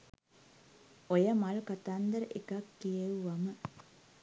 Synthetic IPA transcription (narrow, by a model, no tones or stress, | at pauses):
ojəmalkat̪and̪əɾəʔekakːijeʋuʋamə